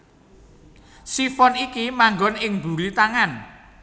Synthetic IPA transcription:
sifɔnikimaŋɡɔnɪŋb̪̥ṳɾit̪aŋan

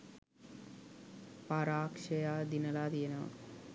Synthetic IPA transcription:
paɾaːkʂɐjaːd̪inɐlaːd̪ijena̰

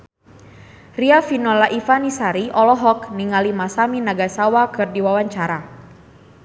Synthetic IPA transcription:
riafinɔlaʔifanisaɾiʔɔlɔɦɔkniŋalimasaminaɡasawakɨrdiwawaɲt͡ʃaɾa

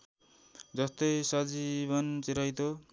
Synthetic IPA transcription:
d͡zʌst̪ʌjsʌd͡zibʌnt͡siɾʌjt̪o

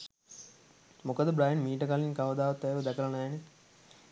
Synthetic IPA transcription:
mokəd̪əbɾaːjnmiːʈəkaliŋkaʋəd̪aːʋɐt̪ːæjʋəd̪ɛkələnɛːne

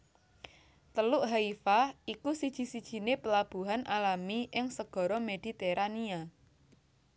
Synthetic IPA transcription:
t̪əlʊʔɦaifaikusid̥ʒ̥i̤sid̥ʒ̥i̤nepəlab̥ṳɦanʔalamiʔɪŋsəɡ̥ɔ̤ɾɔmed̪̥i̤t̪eɾʔania

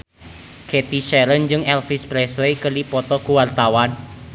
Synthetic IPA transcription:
ket̪iʃɛɾənd͡ʒɨŋɛlfispɾɛslejkəlipɔt̪ɔkuwart̪awan

